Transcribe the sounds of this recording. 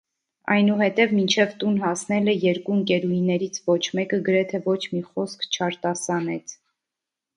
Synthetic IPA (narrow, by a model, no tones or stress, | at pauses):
ɑ̰jnuɦɛt̪ɛvmint͡ʃʰɛvt̪unɦɑsnɛlɛjɛɾkunkɛɾujnɛɾit͡sʰvɔt͡ʃʰmɛkəɡəɾɛt̪ʰɛvɔt͡ʃʰmiχɔskʰt͡ʃʰɑɾt̪ɑsɑnɛt͡sʰ